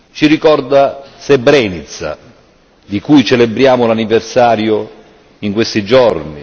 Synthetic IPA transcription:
t͡ʃirikɔrd̪asɛbɾɛːnit̪sa̰ | d̪ikujt͡ʃɛlebɾjaːmʊlanivɛrsaːɾjo | iŋkwest̪id͡ʒɔrni

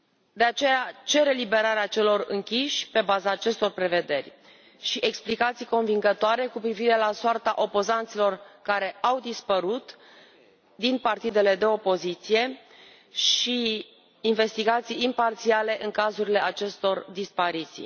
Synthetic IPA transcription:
d̪e̞at͡ʃe̞jat͡ʃe̞ɾe̞libe̞ɾaɾeat͡ʃe̞lo̞rɨ̰ŋkʲiʃʲpe̞bazaːt͡ʃe̞st̪o̞rpɾe̞ve̞d̪e̞rʲ | ʃiʔe̞ksplikat̪sijko̞nviŋɡət̪oaɾe̞kupɾiviɾe̞lasoart̪aʔo̞po̞zant̪silorkaɾe̞ʔawd̪ispəɾut̪ | d̪inpart̪id̪e̞le̞d̪e̞o̞po̞zit̪sije̞ | ʃiː | nve̞st̪iɡat̪sijimpart̪siale̞ʔɨŋkazuɾile̞at͡ʃe̞st̪o̞rd̪ispaɾit̪sḭj

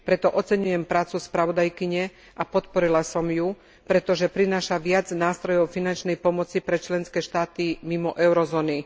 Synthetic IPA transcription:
pɾɛt̪ɔʔɔt͡sɛɲujɛmpɾaːt͡suspɾaʋɔd̪ajkiɲɛ | ʔapɔt̪pɔɾilasɔmju | pɾɛt̪ɔʒɛpɾinaːʃaʋɪad͡znaːst̪ɾɔjɔʊfinant͡ʃnɛjpɔmɔt͡sipɾɛt͡ʃlɛnskɛːʃt̪aːt̪imimɔʔɛʊɾɔzɔːni

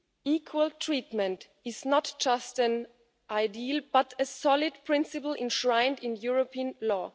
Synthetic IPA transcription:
iːkʰwəlˠtʰɹ̥itmɨ̃nt | ɪznətd͡ʒ̥ʌstɨ̃n | ʔaɪdilˠb̥atɨsɔlɪd̚pʰɹ̥ɪ̃nsɨpl̩ˠʔɪ̃nʃɹãɪ̃ndɪ̃njuɹopʰiə̃nlɔː

